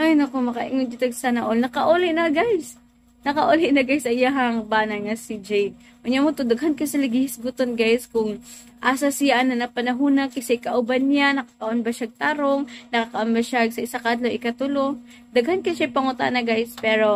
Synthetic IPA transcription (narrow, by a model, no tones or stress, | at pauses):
ʔajnɐkomɐkɐʔɪŋond͡ʒɪt̪ɐɡsanɐʔolnɐkɐʔolɪnɐɡajs | nɐkɐʔolɪʔnɐɡajsɐjaɦɐŋbaːnɐnŋɐsid͡ʒɛj̪ | ʔoɲamot̪od̪ɐɡɦɐnkɐsɐlɐɡɪhɪsɡʊt̪onɡajskʊŋ | ʔasɐsɪjaʔɐnɐnɐpɐnɐɦuːnɐkɐsɛjkɐʔʊbanjanɐkḁk̪ɐʔonbɐʃaɡ̚t̪aɾoŋnɐkakɐʔɐmbɐʃaɡsɐʔɪsakad̪loʔɪkɐt̪ʊlo | d̪ɐɡhɐnkɐʃajpɐŋʊt̪a̰ʔnɐɡajspɛːɾo̞